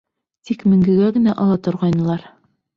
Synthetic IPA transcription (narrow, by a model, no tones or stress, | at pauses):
t̪ikmɘ̆ŋɡɘ̆ɡæɡɘ̆næʔɒlˠɑt̪ŏɾʁɑjnɤ̆lˠɑɾ